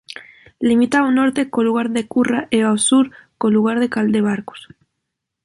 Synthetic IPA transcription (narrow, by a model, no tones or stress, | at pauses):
limit̪aono̞ɾt̪ekoluɣ̞aɾðekuraʔeasuɾkoluɣ̞aɾðekald̪eβ̞aɾko̥s